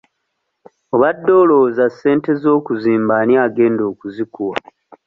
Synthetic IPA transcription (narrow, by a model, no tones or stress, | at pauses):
o̞βadːo̞ːlo̞ːzasːe̞ːnte̞zo̞ːkuziːmbanjaːɡe̞ːndo̞ːkuzikuwa